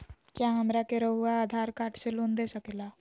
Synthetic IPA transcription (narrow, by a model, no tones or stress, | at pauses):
kjaɦəmɾakeɾəɦuaːd̪ʱaɾkaːʈʰselond̪esəkela